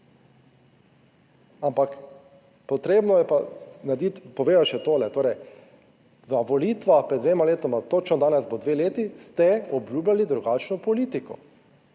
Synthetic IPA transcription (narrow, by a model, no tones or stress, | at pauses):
ampak | pɔt̪ɾeːbnɔjɛpanad̪it̪pɔʋeːd̪aʃɛt̪oːlɛt̪oːɾɛj | ʋəʋɔliːt̪ʋaxpɾɛd̪ʋeːmaleːt̪ɔmat̪ot͡ʃnɔd̪aːnɛzbod̪ʋeːleːt̪ist̪ɛɔbluːblʲalid̪ɾuɡaːt͡ʃnɔpɔliːt̪ikɔ̰